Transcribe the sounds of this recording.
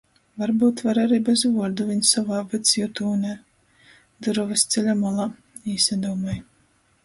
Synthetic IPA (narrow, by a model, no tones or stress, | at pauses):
vaɾbuːt̪vaɾaɾiːbɛzvuɔɾd̪uvʲiɲʲsavaːvɨt̪sʲjut̪uːnʲæ | d̪ɨɾɔvɨst̪sʲɛlʲamɔlˠa | iːsʲad̪ɔːmaj